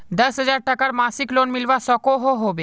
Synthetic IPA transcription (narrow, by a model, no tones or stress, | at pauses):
d̪əsɦəd͡zaɾʈəkaɾmasiːklonmilʋasɔkoɦoɦoʋe